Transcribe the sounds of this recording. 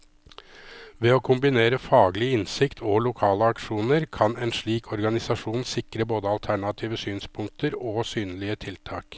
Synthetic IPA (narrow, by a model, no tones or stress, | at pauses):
ʋɛoːkʰʊmbɪneːɾəfɑːɡlɪɪnsɪkt̪ʰɔlʊkʰɑːləɑkʂuːnəɾkʰɑnɛːnʂɭiːkʰɔɾɡɑnɪsɑʂuːnsɪkɾəboːd̪əɑlt̪ʰæɳɑt̪ʰiːʋəsyːnspʰʊŋk̚t̪ʰəɾoːsyːnəlɪət̪ʰɪlt̪ʰɑːk